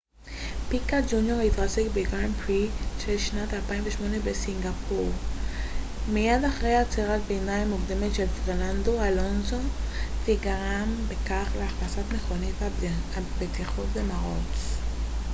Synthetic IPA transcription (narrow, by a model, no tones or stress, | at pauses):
pikad͡ʒunjoʁifʁasekbeɡʁampʁiʃeʃnat̪alpainveʃmonebesiŋɡapʰuʁ | mijad̪aχʁejat͡seʁat̪bejnajmukd̪emetʃelfeʁnand̪oalonsoteɡaʁambekaχleaχlasat̪meχonit̪abet̪iχotd̪emaʁo̰t͡s